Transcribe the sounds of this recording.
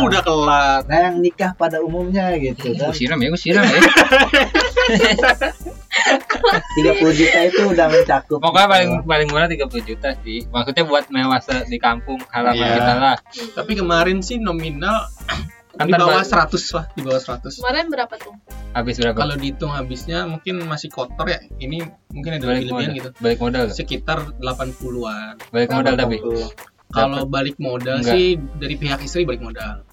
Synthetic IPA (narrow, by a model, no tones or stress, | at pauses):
udahkəlat̪̚najaŋnikahpadaumumɲaɡit̪uausiɾamjaɡusiɾam | t̪iɡapulud͡ʒut̪ait̪uːdahmat͡ʃakʊpakoapalɪŋpalɪŋmuɾat̪iɡapulud͡ʒut̪asɪhmaksut̪̚ɲabuat̪̚mewasadikampʊŋkalad͡ʒpanut̪alaht̪apikəmaɾɛnsɪhnominal | adibawasəɾat̪ʊslahdibawasəɾat̪ʊsmaɾɛnbəɾapat̪uhabɪsbəɾapaalodit̪ʊŋɦabɪsɲamuŋkɪnmasɪhkot̪ɔrjaini | muŋkɪnadalpiləbianɡit̪ubalɪk̚modalsəkit̪ardəlapanpuluanbalɪkmodalt̪apɪ | kalobalɪk̚modalɡɪhdaɾipeɦakist̪ɾibalɪk̚modal